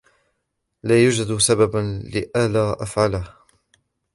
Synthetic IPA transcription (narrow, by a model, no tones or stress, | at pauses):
laːjud͡ʒad̪sabablɪʔalaːʔafʕalah